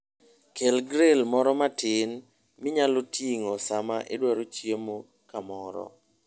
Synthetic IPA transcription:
kʰelɡɾelmɔɾɔmatɪn | mɪɲalotʰiŋosamaʔɪ̰dwaɾot͡ʃjemo | kamɔɾɔ̰

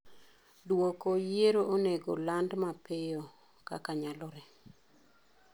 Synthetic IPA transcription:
dwokojeɾoʔoneɡo̰landmapejɔ | ka̰kaɲalɔɾɛ

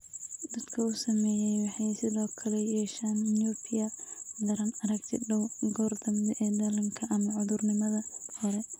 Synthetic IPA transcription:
d̪ɐd̪̥kʰɐʊsɐmɛːjɛjwɑħɑjsɪðɔːkʰɐlɛjɛːʃaːnːjɔbʰɪjɐd̪ɐɾɐnɐɾɐɡt̪ʰɪdɐwɡɔːrd̪ɐmd̪ʔɛd̪ɐlɐŋkʰɐʔɐmɐʕʊðʊrnɪmɐðɐhɔɾɛ

